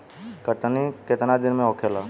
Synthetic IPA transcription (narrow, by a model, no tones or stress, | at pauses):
kəʈniket̪nad̪ɪnmẽokʰela